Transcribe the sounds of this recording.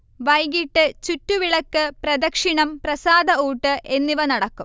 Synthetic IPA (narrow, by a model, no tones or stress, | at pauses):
ʋɐjɡiʈːɨt͡ɕutːuʋiɭɐkːɨprɐd̪ɐkʂiɳɐmprɐsaːd̪ɐuːʈːɨʔe̞nːiʋɐnɐɽɐkːum